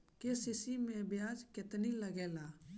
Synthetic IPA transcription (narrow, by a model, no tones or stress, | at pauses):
kesisimẽbjaːd͡ʒkɪt̪niləɡeːlaː